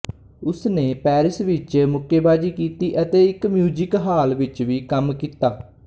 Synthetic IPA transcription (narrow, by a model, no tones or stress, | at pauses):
ʊsneːpɛːɾɪsʋɪt͡ʃmʊkːeːbaːd͡ʒiːkiːt̪iːʔət̪eːɪkmjuːd͡ʒɪkɦaːlʋɪt͡ʃʋiːkəmkiːt̪aː